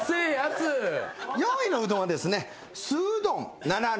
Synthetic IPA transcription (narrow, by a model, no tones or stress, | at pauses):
sɯjasɨjoinoɯ̟t̪õad̪e̞sɨne̞ | sɨːd̪õ̞nnana